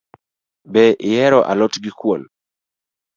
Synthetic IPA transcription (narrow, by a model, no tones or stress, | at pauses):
bɛʔɪjɛɾɔʔa̰lɔtɡɪkwol